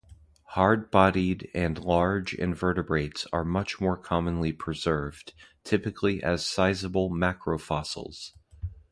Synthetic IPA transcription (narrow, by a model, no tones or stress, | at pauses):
hɑɹd̚bɑɾiɾɨ̃nlɑɹd͡ʒɪ̰̃ɱvɜ˞ɾɨbɹeɪtsə˞mʌt͡ʃmɔɹkʰɑmə̃nlipʰɹ̥ɨzɜ˞vtʰɪpɨkʰliʔɨz̥saɪzəbl̩ˠmækʰɹoʊfɑsl̩ˠz̥